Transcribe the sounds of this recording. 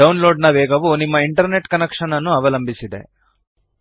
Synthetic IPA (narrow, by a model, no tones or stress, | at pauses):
ɐwnlo̞ːɖnɐʋɛːɡɐʋunimːɐiɳʈɐɾne̞ʈkɐnekʂɐnɐnːuɐʋɐlɐmbʱisid̪e̞̰